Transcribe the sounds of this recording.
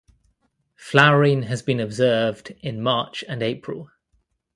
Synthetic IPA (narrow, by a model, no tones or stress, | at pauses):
flaɹĩnəzbĩnəbzɜːvdɪ̃nmɑˑt͡ʃə̃neɪpʰɹə̰lˠ